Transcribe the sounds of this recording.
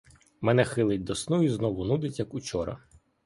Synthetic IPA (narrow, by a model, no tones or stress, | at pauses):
mɛnɛxɪlˠɪtʲd̪ɔsnuiznɔʋʊnud̪ɪtʲjɐkut͡ʃɔɾɐ̰